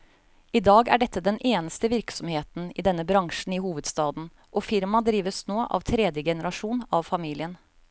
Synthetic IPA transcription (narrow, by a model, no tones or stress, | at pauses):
ɪd̪ɑːɡæ̰ɖɛt̪ʰːəd̪ɛnʔeːnəst̪əʋɪɾksɔmheːt̪n̩ɪːd̪ɛnːəbɾɑŋʂn̩iːhuːʋəd̪st̪ɑːd̪n̩ | ʔɔfɪɾmɑd̪ɾiːʋəsnoːʔɑ̰ʋt̪ʰɾɛːd̪jəɡɛnəɾɑʂuːnɑʋfɑmiːlɪən